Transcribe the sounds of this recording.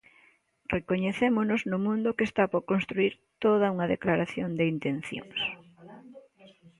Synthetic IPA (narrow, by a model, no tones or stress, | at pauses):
rekoɲeθemʊnʊznʊmũnd̪ʊkest̪apoɾkonst̪ɾuiɾ | t̪oð̞ɐuŋɐðeklaɾaθjond̪ɪint̪en̟θjo̰ŋs